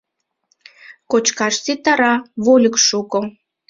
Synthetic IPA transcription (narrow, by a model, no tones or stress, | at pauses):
kot͡ɕkɑʃt͡sit̪ɑɾɑβolʲəkʃuko